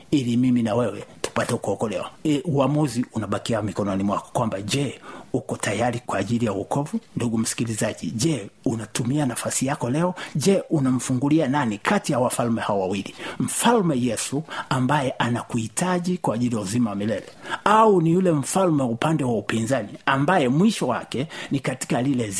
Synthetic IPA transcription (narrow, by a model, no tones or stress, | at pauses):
ilimiminawɛwɛtu̥patɛukɔɔkɔlɛ̰wa̰uamuziunaɓakiamikɔnɔnimwakɔ̥kwambaʄɛukɔtʰajaɾikwaːʄilijawukɔvunduɡum̩si̥kilizaʄiʄɛunatumianafasijakɔlɛɔʄɛʔunam̩fuŋɡuliananikʰatijawafalmɛhawɔwawilim̩falmɛjɛsuambajɛʔanakuhitʰaʄikwaːʄilijauzimawamilɛlɛaunijulɛm̩falmɛwaupandɛwaupinzaniambajɛmwiʃɔwa̰kɛnikati̥kalilɛ